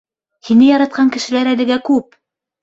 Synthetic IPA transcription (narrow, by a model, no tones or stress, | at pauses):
hinɘjɑɾɑt̪̚qʰɑŋkɘ̆ʃɘ̆læɾælɘ̆ɡækʉp